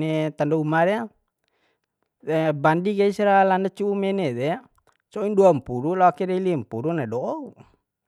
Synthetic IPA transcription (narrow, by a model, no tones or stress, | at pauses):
nɛt̪andɔumaɾɛa | ɛbandiɡaisiɾalandat͡ʃuːmɛnɛd̪ɛ | sɔinduampuɾulaakɛɾɛlimpuɾunadɔɔu